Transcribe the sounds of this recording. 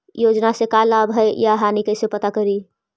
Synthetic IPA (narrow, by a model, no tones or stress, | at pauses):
jod͡ʒnasẽkalabɦəjjaɦanikəjsepət̪akəɾi